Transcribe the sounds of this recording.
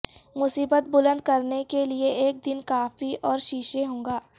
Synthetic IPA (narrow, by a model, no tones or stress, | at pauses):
mʊsiːbət̪̚bʊlə̃nd̪̚kɐɾnekelieeːk̚d̪ɪnkaːfiɔːɾʃiːʃeɦõːŋɡaː